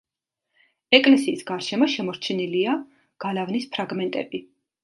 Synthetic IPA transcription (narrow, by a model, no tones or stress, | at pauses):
ɛkʼlɛsiːsɡaɾʃɛmɔʃɛmɔɾt͡ʃʰɛnilia | ɡ̥alavnispʰɾaɡmɛnt̪ʼɛ̰bi